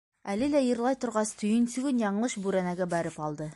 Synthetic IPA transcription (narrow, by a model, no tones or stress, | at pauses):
ælɘlæjɤ̆ɾlˠɑjt̪ŏɾʁɑst̪ʰɵ̆jɘnsʉɡɘnjɑɴlˠɤʃbʉɾænæɡæbæɾɘpɑlˠd̪ɤ